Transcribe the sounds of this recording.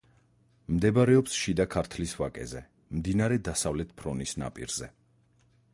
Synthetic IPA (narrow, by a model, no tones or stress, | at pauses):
md̪ɛbaɾɛɔpsʃid̪akʰaɾt̪ʰlisvakʼɛ̰zɛ | md̪inaɾɛd̪asavlɛt̪ʰpʰɾɔnisna̰pʼḭɾz̥ɛ